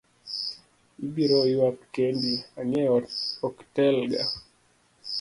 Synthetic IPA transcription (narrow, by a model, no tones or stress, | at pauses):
ibiɾɔiwakkɛndiaɲɛɔktɛlɡa